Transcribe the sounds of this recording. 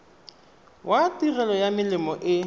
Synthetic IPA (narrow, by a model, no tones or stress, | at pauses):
watirɛlɔjamɪlɪmɔʔɪ